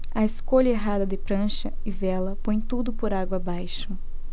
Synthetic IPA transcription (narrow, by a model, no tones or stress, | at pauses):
ɐeskoʎɐeɦad̪ɐd̪ɪpɾɐ̃ʃɐɪvɛlɐpõj̃t̪ud̪ʊpoɾaɡwɐabajʃʊ